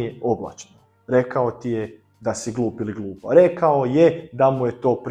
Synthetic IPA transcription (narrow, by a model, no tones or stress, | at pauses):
jeo̞bla̰t͡ʃno | ɾe̞kao̞t̪ije | d̪asiɡlˠuːpiliɡlˠuːpaɾe̞kaojed̪amuje̞t̪o̞ːpɾ